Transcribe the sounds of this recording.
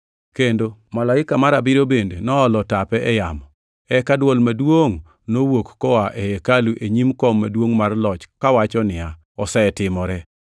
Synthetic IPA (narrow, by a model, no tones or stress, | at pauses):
kendomalaɪkamaɾabɪɾobendenɔːlɔtapɛʔɛjamɔ | ɛkadwɔlmadwoŋ | nowokːɔwaʔɛjɛkaluʔeɲimkɔmːadwoŋmarlɔt͡ʃkawat͡ʃɔnɪa | ɔsɛɛtɪmɔɾɛ